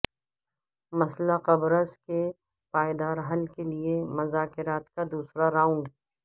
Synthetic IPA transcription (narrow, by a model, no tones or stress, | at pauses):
mɐslaqɐbɾəske | paːjd̪aːɾɦɐlkeliemɐzaːkɪɾaːt̪kad̪uːsɾaɾãːʊ̃ɳɖ